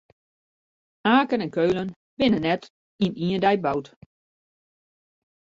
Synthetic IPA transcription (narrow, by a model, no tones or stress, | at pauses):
aːkənɛnkøɥlən | b̥ɪnənːɛt | iniəndɛjbawt